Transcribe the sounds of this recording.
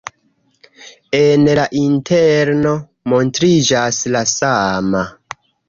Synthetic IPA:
enlaʔintʰeɾno̞ | mo̞ntɾid͡ʒaslasama

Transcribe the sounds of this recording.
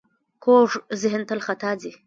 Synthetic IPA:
koʐzɪɦɪnt̪əlxat̪ɑːd͡zi

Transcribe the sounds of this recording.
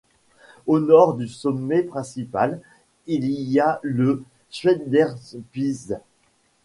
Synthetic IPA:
onɔʁd̪ysɔmːɛpχɛ̃sipal | ilijalə | ʃɥɛd̪ɛʁpiz

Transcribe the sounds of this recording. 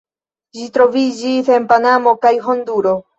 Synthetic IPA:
d͡ʒitɾo̞vid͡ʒise̞npanamo̞kajɦonduɾo̞

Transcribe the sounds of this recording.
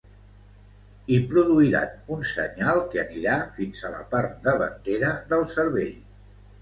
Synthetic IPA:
ipɾuðuiɾa̰nunsə̰ɲalˠkeəniɾafinzələ̰paɾt̪̚d̪əβə̰nt̪eɾəðəlˠsəɾβeʎ

